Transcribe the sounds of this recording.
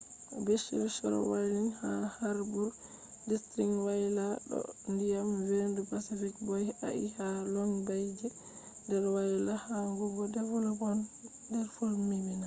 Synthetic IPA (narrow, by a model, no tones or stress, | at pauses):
beʃḭɾʃɔɾɔ̰wajlinhahaɾbuɾ | distɾiŋwajlaɗɔ̰ndijamwendupasifikbɔja̰ʔḭhalɔŋbajd͡ʒɛ | ndɛɾwajlahaŋɡuɡɔdɛvɔlɔpɔn | dɛɾfulmimina